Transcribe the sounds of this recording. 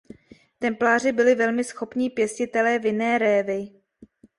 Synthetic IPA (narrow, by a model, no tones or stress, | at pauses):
t̪ɛmplaːr̝ɪbɪlɪvɛlmɪsxo̞pɲiːpjɛscɪt̪ɛlɛːvjɪnɛːɾɛːvɪ